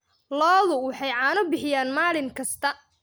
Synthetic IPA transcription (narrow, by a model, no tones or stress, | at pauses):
lɔːðʊwɑħɑjʕɑːnʊbɪħɪjaːnmaːlɪŋkʰɐst̪ʰɐ